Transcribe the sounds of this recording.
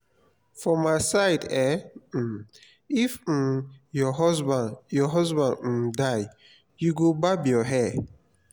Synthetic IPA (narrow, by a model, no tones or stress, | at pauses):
fɹɔmaɪsaɪdɛ | if̩jɔɦɔzbãnjɔɦɔzbãnd̩daj | juɡobabjɔɦɛ